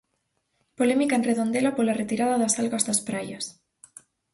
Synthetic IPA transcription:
polemikaenreðond̪elapolaret̪iɾaðaðasalɣazðaspɾajas

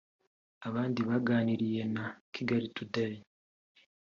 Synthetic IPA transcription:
aβaːndiβaɡaːniɾije̞nakʰiɡaɾitudaɾi

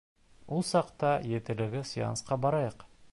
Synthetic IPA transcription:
ulˠsɑqt̪ɑjet̪ɘ̆lɘ̆ɡɘsijɑ̰nsqɑbɑɾɑjɤq

